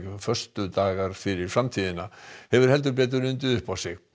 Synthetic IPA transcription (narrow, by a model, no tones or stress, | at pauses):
fœ̥st̪ʏt̪aːɣaɾ̥fɪɾɪɾ̥fɾamt̪ʰiːðɪnahɛvʏɾ̥hɛlt̪̬ʏɾp̬ɛːt̪̬ʏɾʏnt̪ɪðʏhpawsɪɣ